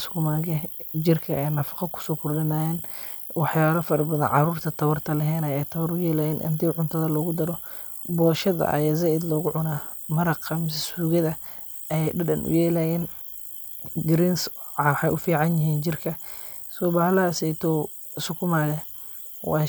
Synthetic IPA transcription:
sʊ̥kʰʊmaːɣɛd͡ʒɪrkʰɐʔɛjnɐfɑqɐkʰʊ̥sɔːkʰʊrɖɪnaːjɛːnwɑħjaːβɐfɐɾɐbɐðɐ̰nʕɑruːrt̪ʰɐt̪ʰɐβɐrt̪ʰɐlɛɦɛːnɐjɛjt̪ʰɐβɐɾʊjɛːlɛjɛːnʔɐ̰nt̪ʰiʕʊnt̪ʰɐðɐlɔːɣʊd̪ɐɾɔ | bɔːʃɐðɐ̰ʔɐ̰jaːzɐʔɪd̪lɔːɣʊʕʊnaːmɐɾɑqɐmɪs̬ɐsuːɣɐðɐ | ɛɛjɖɐɖɐ̰nʔʊ̰jɛːlɛjɛːn | ɡɾinsħɑjʔʊfiːʕɑnjɪɦiːnt͡ʃɪrkʰɐ | sɔːbaːlɐsɛjt̪ʰɔ | sʊkʰʊmaːɣɛ | wɑː

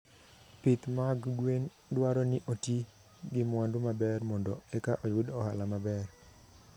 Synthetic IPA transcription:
pɪt̪maɡɡwen | dwaɾɔnɪʔoti | ɡɪmwandʊmabɛrmɔndɔɛkaʔɔjʊdɔhalamabɛr

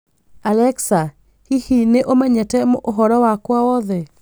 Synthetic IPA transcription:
alɛksa | hihineʔomaɲɛtɛmoʔoɦɔɾɔwakwawɔðɛ

